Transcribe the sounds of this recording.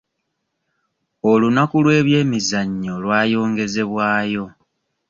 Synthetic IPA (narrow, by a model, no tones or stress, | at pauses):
olunakulwe̞ːβje̞ːmizaɲːo̞lwaːjo̞ːŋɡe̞ze̞βwaːjo̞